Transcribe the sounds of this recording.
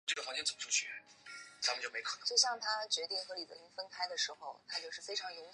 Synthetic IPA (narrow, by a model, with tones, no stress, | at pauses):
ʈ͡ʂɤ˥˩ɡə˩xɑ˧˥ŋt͡ɕjɛ˥t͡sə˨˩mə˦ʂʰu˥˩ɕɥɛ˧˥t͡sa˧˥mə˨˧t͡ɕjo˥˩ʊme˥kʰɤ˨˩n˦t͡ɕjo˥˧ʊɕ̬jɑ˥˩ŋt̪ʰa˥t͡ɕɥɛ˧˥t̪i˥˩ŋxɤ˧˥li˨˩d̪ə˧˩i˥˩fə˥nkʰa˥ɪd̪ə˨ʂɻ̩˧˥xo˥˧ʊt̪ʰa˥t͡ɕjo˥˧ʊʂɻ̩˥˩fe˥ɪʈ͡ʂʰɑ˧˥ŋjʊ˧˥ŋ